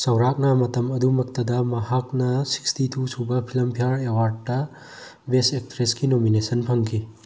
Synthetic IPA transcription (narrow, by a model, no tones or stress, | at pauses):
sɐwɾak̚nɐmɐtɐmɐdumɐk̚tɐdɐmɐɦak̚nɐsi̥kstitʰusubɐpʰilɐmpʰijaɾewaɾd̚ːɐ | besektɾeskinominesɐnpʰɐŋkʰi